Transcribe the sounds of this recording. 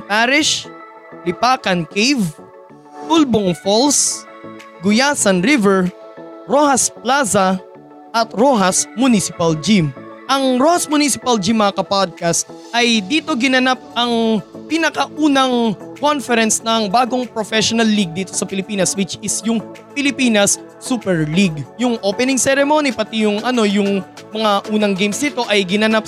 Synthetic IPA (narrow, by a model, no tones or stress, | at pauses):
paɾɪʃ | lɪpaːkɐnkejv | t̪ulboŋfols | ɡʊjaːsɐnɾivɛɹ | ɾohɐsplasɐ | ʔɐt̪ɾoɦɐsmʊnisɪpɐld͡ʒim | ʔɐŋɾohɐsmʊnisɪpɐld͡ʒimːɐŋɐkɐpad̪̚kast̪̚ʔɐjd̪iːt̪o̞ɡɪnɐnap̚ʔɐŋpɪnɐkɐʔuːnɐŋko̞nfɛɾɛnsnɐŋbaːɡo̞ŋpɾofɛʃonɐlːiɡ̚d̪iːt̪o̞sɐpɪlɪpiːnɐswɪt͡ʃɪsjʊŋ | pɪlɪpiːnɐsː | upɛɹliɡjʊŋʔoːpɛnɪŋsɛɾɛmo̞nipɐt̪ijʊŋʔɐno̞jʊŋmɐŋaʔuːnɐŋɡejmsnɪt̪o̞ʔɐjɡɪnɐnap̚